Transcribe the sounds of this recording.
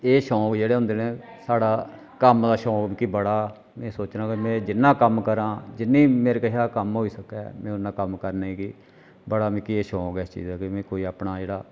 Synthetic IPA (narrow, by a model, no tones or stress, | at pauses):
eːʃɔ̃ːkd͡ʒeːɽeːɦʊ̃nd̪eːnẽː | saːɽaː | kəmd̪aːʃɔ̃ːkibəɽaː | mɛ̃ːsoːt͡ʃnãːkimɛ̃ːd͡ʒɪnːãːkəmkəɾãːd͡ʒɪnːĩːmeːɾkəʃaːkəmɦoːiːsəkɛːmɛ̃ːʊnːãːkəmkəɾnaːiːkɪ | bəɽaːmɛ̃ːkieːʃɔ̃ːoɡɛːst͡ʃḭːd͡ʒɛːkɪmɛ̃ːkoːiːaːpnaːd͡ʒeːɽaː